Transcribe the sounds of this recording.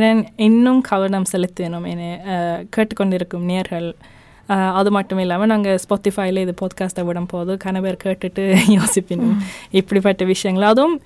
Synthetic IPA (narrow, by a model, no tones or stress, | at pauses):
nɐnɪnːɯmkʰɐʋɐɾɳɐmsɛlɪt̪ːenɯmenːekeːʈːɯkːɔɳɖɪɾɯkːɯmnejɐɾɣɐɭ | ɐðɯmɐʈːɯmɪlːaːmɐnaːŋɡɐspoːʈːɪfaːjlɐɪðɯpoːðkaːsʈɐʋɪɽɐmpoːðɯkɐnɐpeːɾkeːʈːɯʈːɯjoːsɪpːɪnːɯmɪpːɐɽipːɐʈːɐʋɪʂɐjɐŋɡɐɭɐðm